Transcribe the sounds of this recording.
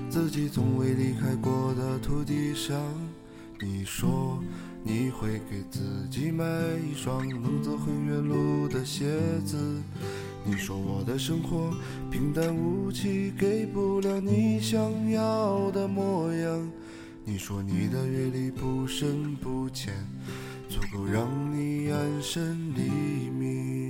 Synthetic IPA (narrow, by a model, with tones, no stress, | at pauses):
t͡sɹ̩˥˧t͡ɕi˨˩t͡sʰʊ˧˥ŋwe˧˥ɪli˧˩kʰa˥ɪkwɔ˥˩d̪ə˩t̪ʰu˧˥t̪̬i˥˧ʂɑ˥˩ŋ | ni˨˩ʂwɔ˥ | ni˨˩˦xwe˧˩ɪke˨˩ɪt͡sʰɹ̩˨˩t͡ɕi˥ma˧˥ɪi˥˧ʈ͡ʂɑ˥ŋlɤ˧˥ŋt͡sɔ˥˧xwə˥ŋɥɛ˧˥nlu˥˧d̪ə˩ɕjɛ˧˥t͡sɹ̩˧˩ | ni˨˩ʂwɔ˥wɔ˨˩d̪ə˦ʂɤ˥ŋxwɔ˧˥ | pʰi˧˥ŋt̪a˥nu˧˥t͡ɕʰi˥˩ke˧˩ɪpu˧˥ljɑ˧˩ʊni˧˥ɕjɑ˥ŋjɑ˥˧˩ʊd̪ə˧mwɔ˥˩jɑ˧˥ŋ | ni˨˩ʂwɔ˥ni˨˩d̪ə˧ɥɛ˧li˧pu˧ʂə˥npu˧˩t͡ɕʰjɛ˧˩n | t͡sʰu˧˥˩ko˧˩ʊɻɑ˧˥˩ŋni˧˩a˥˧nʂə˥nli˧˥mi˧˩